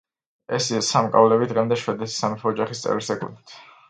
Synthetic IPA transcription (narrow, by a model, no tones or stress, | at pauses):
ɛsisamkʼa̰vlɛbid̪ʁɛmd̪ɛʃwɛd̪ɛsi̥samip̪ʰɔːd͡ʒaχist̪sʼɛ̰vɾiɾsɛkʼṵd̪it̪ʰ